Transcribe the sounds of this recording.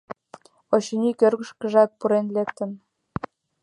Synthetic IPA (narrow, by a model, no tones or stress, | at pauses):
oɕənʲikørɣə̆ʃkə̆ʒɑk̚puɾenlekt̪ə̆m